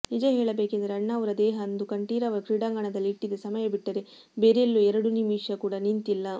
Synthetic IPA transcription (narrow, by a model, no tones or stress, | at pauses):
nid͡ʒɐɦeːɭɐbeːkend̪ɐɾeɐɳːaːʋɐɾɐd̪ɛːɦɐːnd̪ukɐɳʈiːɾɐʋɐɾɐkɾiɽaːŋɡɐɳɐd̪ɐlːiːʈːid̪ɐsɐmɐjɐbiʈːɐɾe | beːɾeelːuɛɾɐɽunimiːʂjɐkuːɽɐnint̪ilːɐ